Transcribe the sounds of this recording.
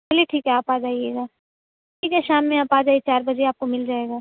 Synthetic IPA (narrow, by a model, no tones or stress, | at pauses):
bɛːliʈʰiːkɦɛaːpaːd͡ʒaːieːɡaː | ʈʰiːkɦɛʃaːmːẽaːpaːd͡ʒaːiet͡ʃaːɾbɐd͡ʒeaːp̚komɪld͡ʒaːeːɡaː